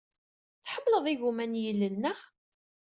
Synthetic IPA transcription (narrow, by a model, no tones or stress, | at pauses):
θħəmːləðˤiɣumænjəlːəlnəχ